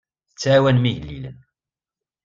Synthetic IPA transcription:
θət͡sːʕawænmiʝlːḭlə̰n

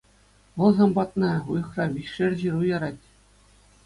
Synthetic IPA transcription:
ʋɤ̆lˠzɑmbɑt̪nɑujɤ̆χrɑʋʲiɕʂɘrʲʑirujɑɾɑtʲ

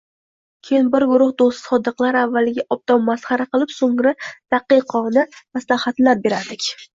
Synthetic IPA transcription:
kʲʰejɪnbɪɾɡʊɾʊhd̪ost̪ɪ̥sɒd̪ɨqlˠaɾavːalɪɡʲaʔɒb̚d̪ɒmːasχɑɾaqɨlˠɪpsoŋɾɪd̪̥aqɨqʰɒnɪmaslahat̪laɾ̚be̞ɾad̪ɪkʲ

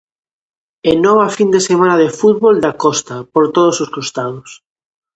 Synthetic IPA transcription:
enɔβ̞afind̪esemãnaðefut̪̚βold̪akɔst̪apoɾt̪oð̞ososkost̪að̞os

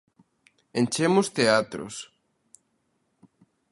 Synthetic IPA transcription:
ent͡ʃemʊst̪eat̪ɾo̰s

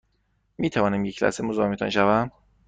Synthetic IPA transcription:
miːt̪ʰævɒːnæmjecʰlæ̰semozɒːmet̪ʰɒ̰nʃævæm

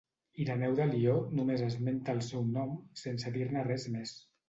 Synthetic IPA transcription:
iɾanɛwðəlionumezəzment̪aːlˠsɛwnɔmsensəðiɾnərɛzmes

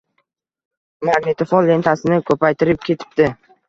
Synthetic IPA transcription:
maɡnɪt̪ʰɪfɒlːe̞nt̪ʰasɪnɪkʰɵpʰajt̪ʰɪɾɪp̚kʲʰe̞t̪ʰɪ̥p̚d̪ɪ

